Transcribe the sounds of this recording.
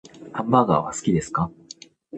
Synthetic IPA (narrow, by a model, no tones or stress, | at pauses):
hãmbaːɡa̰ːβa̰sɨ̥kʲid̪e̞sɨ̥ka